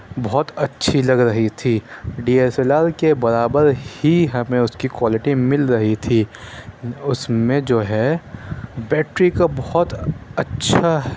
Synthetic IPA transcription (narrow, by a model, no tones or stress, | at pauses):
bɔɦɔt̪ɐtːʃʰilɐɡɾɐɦit̪ʰiɖiːeːselaːɾkebɐɾaːbəɾhiɦɐmẽʊskikwaːlɪʈimɪlɾɐɦit̪ʰiː | ʊsmẽd͡ʒoːɦɛ | bɛːʈɾikabɔɦɔt̪ɐtːʃʰaɦ